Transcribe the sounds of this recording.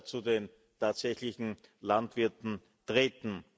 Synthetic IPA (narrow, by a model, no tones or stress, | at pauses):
t͡suden | tʰaːtsɛçlɪçn̩lantv̥ɪɐtn̩ | tʁeːtn̩